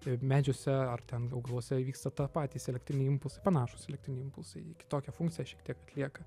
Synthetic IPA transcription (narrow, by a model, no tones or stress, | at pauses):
ɪmʲæːd͡ʒʲosʲɛɐrt̪ʲɛnɐʊɡɐlˠuɔsʲɛʋʲiːkst̪ɐt̪ɑpɑːt̪ʲiːsɛlʲɛkt̪ʲɾʲɪnʲɛɪɪmpʊlˠsɐɪpɐnɑːʃʊ̥sɛlʲɛkt̪ɾʲɪnʲɪɪmpʊlˠsɐɪɪkʲɪ̥t̪oːkʲɛfʊŋktt͡sʲɪjɛʃʲiɛk̚t̪ʲiɛkɐt̪ʲlʲiɛkɐ